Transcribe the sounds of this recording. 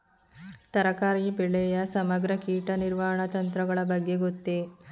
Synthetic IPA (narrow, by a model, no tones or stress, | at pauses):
t̪ɐɾɐkaːɾiːbeɭejɐsɐmɐɡɾɐkiːʈɐniɾʋaɦɐɳɐt̪ɐnt̪ɾɐɡɐɭɐbɐɡːeɡot̪ːe